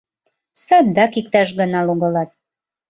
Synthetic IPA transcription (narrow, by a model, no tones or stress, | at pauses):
sɑd̪d̪ɑkik̚t̪ɑʃɣɤ̆nɑluɣɤ̆lɑt̪̚